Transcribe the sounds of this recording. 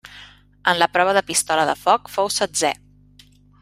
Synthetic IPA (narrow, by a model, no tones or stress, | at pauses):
ənləpɾɔβəðəpist̪ɔləðə̰fɔkfowsəd͡zɛ